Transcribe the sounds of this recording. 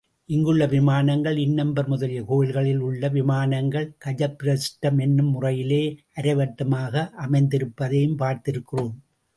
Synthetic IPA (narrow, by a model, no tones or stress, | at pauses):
ʔɪŋɡɯɭːɐʋɪmaːnɐŋɡɐɭɪnːɐmbɐɾmʊðɐlɪjɐkoːjɪlɣɐɭɪlʊɭːɐʋɪmaːnɐŋɡɐɭkɐd͡ʒɐpːɪɾɐsʈːɐmɛnːɯmːʊrɐjɪleːʔɐɾɐɪʋɐʈːɐmaːɣɐʔɐmɐɪnd̪ɪɾɯpːɐðeːjɯmpaːɾt̪ɪɾɯkːɪroːm